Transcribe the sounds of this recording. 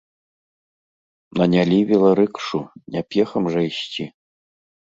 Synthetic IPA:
nɐnʲalʲiβʲilˠɐɾɨkʂunʲapʲjɛxɐmʐɛiɕt͡ɕʲi

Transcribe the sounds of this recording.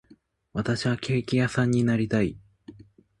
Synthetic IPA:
βat̪aɕiβakʲe̞ːkʲijasãɲ̟ːinaɾʲit̪ai

